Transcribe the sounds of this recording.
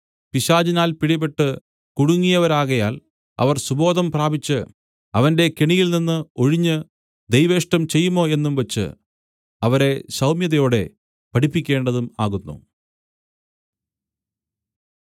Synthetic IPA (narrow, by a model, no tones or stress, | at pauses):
piɕaːd͡ʑinaːlpiɽibeʈːɨ | kuɽuŋːijɐʋɐɾaːɣɐjaːl | ɐ̰ʋɐrsubo̞ːd̪ɐmpraːbit͡ɕːɨ | ɐʋɐnde̞keɳijilninːɨo̞ɻiɲːɨ | d̪ejʋe̞ːʂʈɐmt͡ɕe̞jːumo̞ːe̞nːumʋɐt͡ɕːɨ̰ | ɐʋɐɾe̞ɕɐwmjɐðɐjo̞ːɽe̞ | pɐʈipːikʲːe̞ːɳɖɐðumaːɣunːṵ